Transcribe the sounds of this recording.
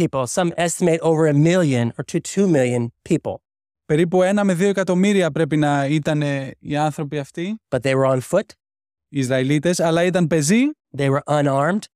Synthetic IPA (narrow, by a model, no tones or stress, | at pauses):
ipl̩ˠsʌ̃mɛstəmeɪɾoʊvə˞əmɪlˠjɨ̃nə˞tʰʉtʰumɪlˠjɨ̃npʰipl̩ˠ | pe̞ɾipue̞nɐme̞ðio̞ekɐt̪o̞miɾiɐpɾe̞pinɐit̪ɐneiɐnθɾo̞piɐft̪ib̥ɐt̪̚ðeɪwə˞ə̃nfʊt | izɾɐilit̪e̞sɐlɐit̪ɐnpe̞zi | ðeɪwə˞ʔə̃nɑɹmd̥